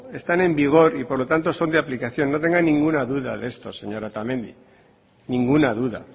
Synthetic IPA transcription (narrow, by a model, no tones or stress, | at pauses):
e̞st̪ane̞mbiɣ̞o̞ɾipo̞ɾlo̞t̪ant̪o̞so̞nd̪eaplikaθjo̞nːo̞t̪e̞ŋɡanːĩŋɡunaðuða̰ðe̞st̪oseɲo̞ɾat̪amẽ̞nd̪ḭ | nĩŋɡunaðuða̰